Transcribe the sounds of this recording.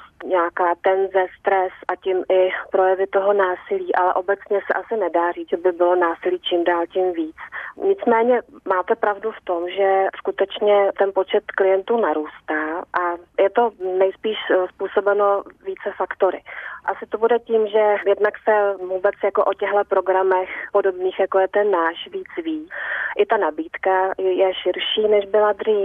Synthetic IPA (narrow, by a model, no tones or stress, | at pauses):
ɲɛakaːt̪ɛnzɛst̪ɾɛsʔacɪmʔɪpɾo̞jɛvɪt̪o̞ɦo̞naːsɪliːʔalɛ̰ʔo̞bɛt͡sɲɛsɛʔasɪnɛdaːriːd͡zʒɛbɪbɪlo̞naːsɪliːt͡ʃɪmdaːlcɪmviːt͡sɲɪt͡smɛːɲɛmaːt̪ɛpɾavduft̪o̞mʒɛskut̪ɛt͡ʃɲɛt̪ɛnpo̞t͡ʃɛt̪klɪjɛnt̪uːnaɾuːst̪aːʔajɛt̪o̞nɛjspiːʃspuːso̞bɛno̞viːt͡sɛfakt̪o̞ɾɪ̰ʔasɪt̪o̞budɛciːmʒɛjɛdnaksɛvuːbɛt͡sjakoʔocɛɦlɛpɾo̞ɡɾamɛxpo̞do̞bniːxjakojɛt̪ɛnːaːʃviːt͡sviːʔɪt̪anabiːt̪kajɛʃɪɾʃiːnɛʒbɪlad̪riː